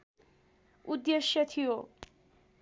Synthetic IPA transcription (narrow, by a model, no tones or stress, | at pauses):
ud̪ːeʃːet̪ʰio